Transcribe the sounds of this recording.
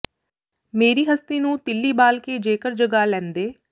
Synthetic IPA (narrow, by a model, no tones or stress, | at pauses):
meːɾiːɦəst̪iːnũːt̪ɪlːiːbaːlkeːd͡ʒeːkəɾd͡ʒəɡaːlɛ̃ːnd̪eː